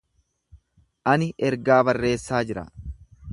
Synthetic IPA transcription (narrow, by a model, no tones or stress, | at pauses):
ʔɐnɪʔɛɾɡaːbɐrːe̞ːsːaːd͡ʒɪɾɐ̰